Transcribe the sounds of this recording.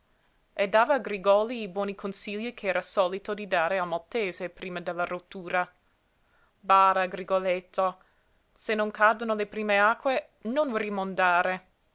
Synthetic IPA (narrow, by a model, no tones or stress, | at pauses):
ed̪aːvaːɡɾiɡɔːliːbwɔːnikʰonsiʎːikʰeɛːɾasɔːlit̪od̪id̪aːɾealmat̪ːeːzepɾiːmad̪elːarot̪ːuːɾa | baːɾaːɡɾiɡolet̪ʰːo | senːoŋkad̪onolepɾiːmeaːkːwe | nonrimond̪aːɾe